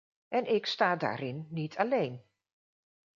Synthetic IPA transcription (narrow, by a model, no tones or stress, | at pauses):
ɛnʔɪkstaːda̰ːɾɪnːitʰalejn